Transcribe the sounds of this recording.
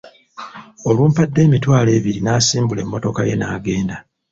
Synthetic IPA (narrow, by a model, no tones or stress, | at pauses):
o̞luːmpadːe̞ːmitwaːle̞ːβiɾinaːsiːmbule̞mːo̞to̞kaje̞̰naːɡe̞ːnda